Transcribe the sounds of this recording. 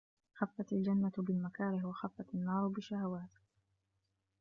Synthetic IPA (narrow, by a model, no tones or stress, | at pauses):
xafːat̪ald͡ʒanːatbɪlmakaːɾɪhwaxafːat̪anːɑːɾˤbɪʃːahawaːt̪